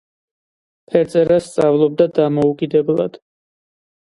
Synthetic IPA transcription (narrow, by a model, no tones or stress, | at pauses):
pʰɛɾt̪sʼɛɾasːt̪sʼavlˠɔb̚d̪ad̪amɔukʼid̪ɛblˠa̰d̪̥